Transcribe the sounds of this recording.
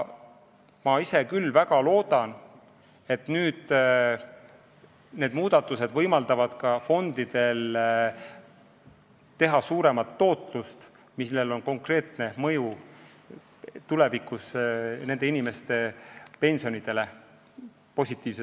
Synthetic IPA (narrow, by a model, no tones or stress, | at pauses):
mɑise̞kylːvæɡ̥ɑlo̞ːd̪ɑn | e̞t̪nyːd̪̥ | ne̞ːd̪muːd̪̥ɑt̪ːˑuse̞d̪̥vɤjmɑld̪̥ɑvɑd̪̥kɑfo̞nd̪̥id̪̥e̞l | t̪e̞ɦɑsuːɾe̞mɑt̪ːo̞ːt̪ˑlust̪ | misle̞lo̞nko̞ŋkre̞ːt̪ne̞mɤ̞ju | t̪ule̞vikːˑusne̞nd̪̥e̞inime̞st̪e̞pe̞nʲsio̞nid̪e̞le̞ | po̞sʲit̪ːˑiːvse